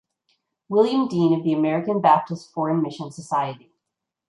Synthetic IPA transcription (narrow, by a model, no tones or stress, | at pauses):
wɪlˠjɨ̃mdĩnʌvðiɨmɛɹɨkɨ̃nbæp̚tɨstfɔɹɨ̃nmɪʃɨ̃nsəsaɪɨɾi